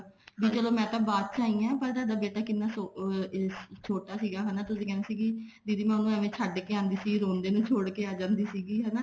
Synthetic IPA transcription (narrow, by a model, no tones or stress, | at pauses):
ʋiːt͡ʃəloːmɛ̃ːt̪ãːbaːt̪̚t͡ʃaːɦĩːãːpəɾd̪aːd̪aːbeːʈaːkɪnːaːso | t͡ʃʰoːʈaːsiːɡaːɦɛnaːt̪ʊsĩːkɛːnaːsiːkid̪iːd̪iːmɛ̃ːʊnũəʋẽːt͡ʃʰaɖkeːãːnd̪iːsiːɡiːɾoːnd̪eːnũːt͡ʃʰoːɽkeːaːd͡ʒãːnd̪iːsiːɡiːɦɛːnaː